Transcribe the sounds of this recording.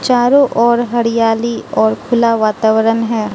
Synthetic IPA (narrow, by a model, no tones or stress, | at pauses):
t͡ʃaːɾõʔɔːɾɦɐɽijaːliɔːɾkʰʊlaʋaːt̪aːʋəɾənɦɛː